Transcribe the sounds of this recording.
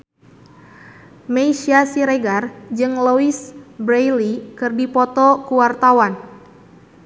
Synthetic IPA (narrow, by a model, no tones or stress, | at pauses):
mejʃiasiɾeɡard͡ʒɨŋloisbɾejlikɨrdipɔt̪ɔkuwart̪awan